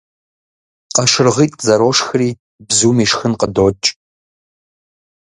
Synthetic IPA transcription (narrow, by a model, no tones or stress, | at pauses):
qɐʃɪrʁiːtʼzɐɾoːʂxɨriː | bzuːmiːʂxɨnqədoːt͡ʃʼ